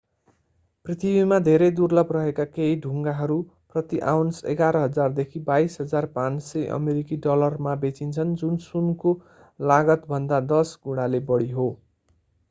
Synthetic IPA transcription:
prit̪ʰibimad̪ʱeɾʌjd̪urlʌbrʌɦekakeiɖʱuŋɡaɦʌɾu | prʌt̪iʔa̰wnsḛɡaɾʌɦʌd͡zard̪ekʰibajsɦʌd͡zarpãnsʌʔʌ̰meɾikiɖʌlʌrmabet͡sint͡sʰʌnd͡zunsunko | laɡʌt̪bʱʌnd̪ad̪ʌsɡuɽ̃alebʌɽiɦo

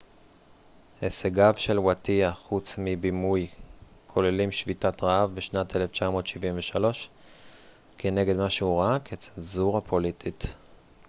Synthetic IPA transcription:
heseɡavʃe̞lwatiaχut͡smibimujkʰo̞lelimʃvitatʁaavbeʃnateleft͡ʃamo̞ːtʃivimveʃalo̞ʃ | kʰeneɡedmaʃeuʁakʰet͡se̥lzuʁhapʰo̞litʰit

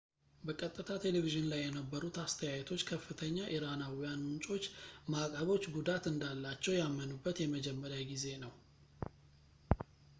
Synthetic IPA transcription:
bəkʼət̪ʼːɨt̪ʰat̪ʰe̞leviʒɪnlajːɛnəbːəɾut̪ast̪ʰəjajt̪ʰo̞t͡ʃːkʰəfːɨt̪ʰəɲːaʔiɾanawijanmɨnt͡ʃʼo̞t͡ʃːmakʼəβo̞t͡ʃːɡud̪at̪ɨnd̪alːat͡ʃːɛwjamːənubːət̪jɛməd͡ʒɛmːəɾjaɡize̞nəw

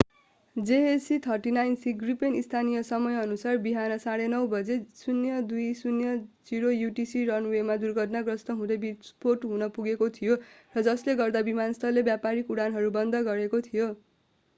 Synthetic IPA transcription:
d͡zeesit̪ʰʌrʈinajnsiɡripenist̪ʰanijʌsʌmʌjʌnusarbiɦanʌsaɽenʌwbʌd͡zesunjʌd̪ujsunjʌd͡ziɾojuʈisiɾʌnwemad̪urɡʱʌʈnaɡrʌsnʌɦũd̪ʌbisporʈɦũnʌpuɡekot̪ʰijorʌd͡zʌsleɡʌrd̪abimanʌst̪ʰʌlːebjapaɾikuɽanɦʌɾubʌnd̪ʌɡʌɾekot̪ʰijo

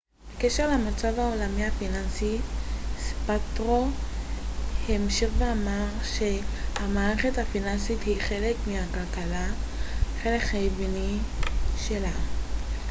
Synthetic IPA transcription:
bekeʃeʁlamat͡savaolamiafinansispat̪ʁo | hemʃiʁveamaʁʃe̞hamaːʁeχe̞thafinansithiχe̞lekmihakalkala | χelekhajbini | ʃela

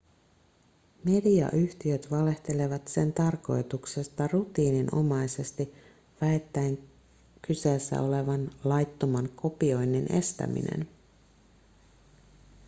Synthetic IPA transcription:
me̞diɑ̰ʔyht̪iø̞t̪ʋɑle̞ht̪e̞le̞ʋɑt̪se̞nt̪ɑrko̞jt̪ukse̞st̪ɑrut̪iːninʔo̞̰mɑjse̞st̪i | ʋæet̪ːæeŋ | kyse̞ːsːæ̰o̞le̞ʋɑnlɑjt̪ːo̞mɑnko̞pio̞jnːine̞̰st̪æ̰mḭne̞̰n

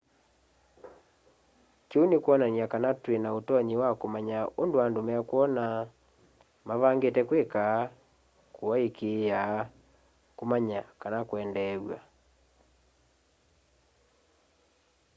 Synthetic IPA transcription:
kunekwɔnaniakanatwenaotɔɲewakomaɲaondoandomɛakuɔna | maβaŋɡetɛkweka | koaekeja | komaɲakanakoɛndɛwa

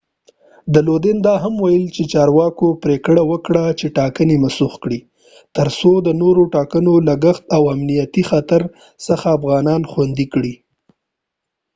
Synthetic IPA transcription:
d̪əlod̪ɪnd̪ɑɦamwajəlt͡ʃet͡ʃɑɾwɑkopɾekɽawəkɽat͡ʃeʈɑkənemasuxkɽi | t̪əɾsod̪ənoɾoʈɑkənolaɡəxt̪awamnijat̪ixat̪aɾ | səxaːfɣɑnɑnxwand̪ikɽi

